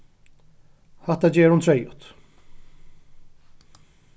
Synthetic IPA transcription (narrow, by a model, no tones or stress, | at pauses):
hat̪ːad͡ʑɛːɾhʊnt̪ʰɾɛjʊ̰t̪